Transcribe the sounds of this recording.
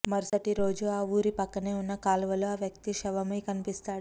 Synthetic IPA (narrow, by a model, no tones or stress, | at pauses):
mɐɾsɐʈiɾo̞ːd͡ʒuaːʋuːɾipɐkːɐne̞ːunːɐkaːlʋɐloaːʋjɐk̚t̪iʃɛʋɐmɐjkɐnipist̪aːɽu